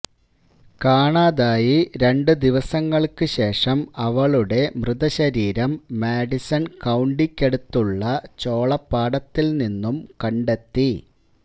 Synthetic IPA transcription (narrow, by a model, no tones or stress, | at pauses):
kaːɳaːðaːjiɾe̞ɳɖɨd̪iʋɐsɐŋːɐɭkɨɕe̞ːʂɐmɐʋɐɭuɽe̞mrɨðɐɕɐɾiːɾɐmːeːɖisɐnkɐwɳɖikʲːe̞ɽut̪ːuɭːɐt͡ɕo̞ːɭɐpːaːɽɐt̪ːilninːumkɐɳɖet̪ːi